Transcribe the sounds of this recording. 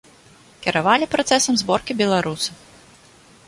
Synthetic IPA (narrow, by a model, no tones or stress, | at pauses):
kʲɛɾavalʲipɾat̪sɛsɐmzbɔrkʲibʲɛlˠaɾusɐ